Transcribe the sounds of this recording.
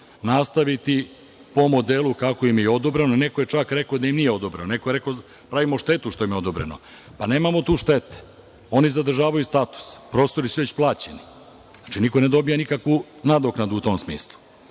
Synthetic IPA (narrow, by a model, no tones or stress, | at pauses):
nast̪aʋit̪i | po̞mo̞d̪elˠukakoimjeeod̪obɾenonekoje̞t͡ʂakɾe̞kod̪ajimnijeo̞d̪obɾenonekoeɾeko | pɾaʋimoʃt̪e̞t̪uʃt̪o̞jimjo̞d̪obɾḛno̰ | pane̞ːmamo̞t̪uːʃt̪et̪e̥ | o̞nizad̪r̩ʒaːʋajust̪at̪u̥spɾo̞ːst̪o̞ɾisuʋe̞t͡ɕplˠaːt͡ɕeni | at͡ʃinikone̞d̪o̞bijanikakʋu | nad̪oknad̪uːt̪omsmḭːslˠu̥